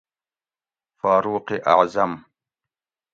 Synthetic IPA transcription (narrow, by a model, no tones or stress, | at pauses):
faːɾuːqiʔa̰ʕzɐm